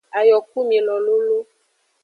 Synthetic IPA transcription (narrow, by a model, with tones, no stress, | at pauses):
a˨jɔ˨k̚u˦mi˨e˨lɔ˨lo˦lo˦